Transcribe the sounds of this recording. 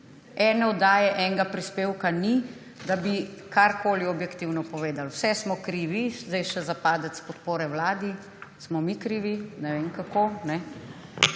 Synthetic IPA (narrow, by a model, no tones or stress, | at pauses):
ɛːnɛɔd̪aːjɛʔɛŋɡapɾispeːwkani | d̪abikaɾkoːliɔbjɛkt̪iwnɔpɔʋeːd̪alwsɛsmɔkɾiʋizd̪ɛjʃɛzapaːd̪ɛt̪spɔt̪poːɾɛwlaːd̪i | smɔmikɾiːʋinɛʋeːŋkakonɛ